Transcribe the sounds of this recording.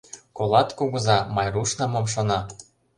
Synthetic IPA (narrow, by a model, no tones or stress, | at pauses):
kolˠɑt̪kuɣɤ̆zɑmɑjruʃnɑmomʃ̬ŏnɑ